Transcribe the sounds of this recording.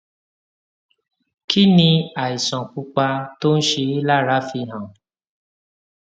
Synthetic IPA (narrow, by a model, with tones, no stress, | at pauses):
kʰi˦nĩ˧a˨i˨sɔ̃˨k͡pu˦k͡pa˧to˦n̩˦ʃe˧i˦la˦˨ɾa˨˦fi˧˨ɦã˨